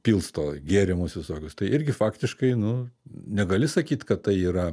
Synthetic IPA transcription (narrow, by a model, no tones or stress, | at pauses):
pʲiːlˠst̪oːɡʲeːɾʲɪmʊsʋʲɪsoːkʲʊst̪ɐɪʔɪɾʲɡʲɪfɑːkt̪ʲɪʃkɐɪnʊnʲɛɡɐlʲɪsɐkʲiːt̪ʲkɐttɐɪiːɾɐ